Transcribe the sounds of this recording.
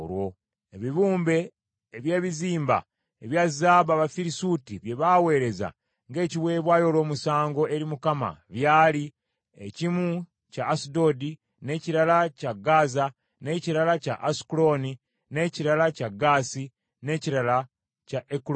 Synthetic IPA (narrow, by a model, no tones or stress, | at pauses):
ɾwo | eβiβuːmbe̞ː | βje̞ːβiziːmba̰ | eβjazaːβaβafiɾisutiβje̞βawe̞ːɾe̞za̰ | ŋɡe̞ːciβwe̞ːβwaːjo̞lwo̞ːmusaːŋɡo̞e̞ɾimukama̰βjaːli | ḛcimu | caːsido̞di | ne̞ciɾalacaɡaːza | ne̞ciɾalaca̰ʔasi̥kulo̞ni | ne̞ciɾalacaɡaːsi | ne̞ciɾala | caʔek